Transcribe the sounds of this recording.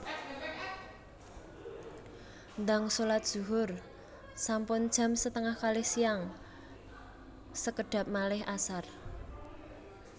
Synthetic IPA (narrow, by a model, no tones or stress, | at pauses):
nd̪aŋsolat̪̚d̥ʒ̥ṳɦʊr | sampʊnd̥ʒ̥a̤msət̪əŋahkalɪhsiaŋ | səkəɖ̥ä̤p̚malɪhʔasar